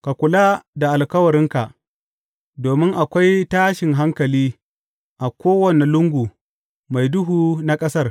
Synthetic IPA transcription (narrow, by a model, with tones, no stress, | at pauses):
ka˨kʷʊ˨laː˦da˨ʔa˨lkɐ˦wɐ˨ɾɪ˦ŋka˨ʔ | doː˨mɪ˦ŋʔa˨kʷa˦jtaː˦ʃɪ˨ŋɦa˦ŋkɐ˨liː˦ | ʔa˨kʷoː˦wɐ˨ne˨lʊ˦ŋɡʷu˨ | ma˨jdʊ˦ɦuː˨na˦kʼɐ˦sɐ˦r